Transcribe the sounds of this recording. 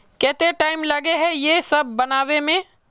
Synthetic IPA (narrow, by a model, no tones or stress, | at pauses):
kɛːt̪eʈaːɪmlɐɡeɦɛjesɐb̚ːɐnaːʋemẽ